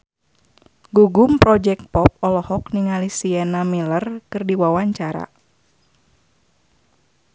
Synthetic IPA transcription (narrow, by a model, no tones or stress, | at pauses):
ɡuɡumpɾɔd͡ʒɛk̚t̪̚pɔp̚ɔlɔhɔk̚niŋalisiɛnamilərkɨrdiwawaɲt͡ʃaɾa̰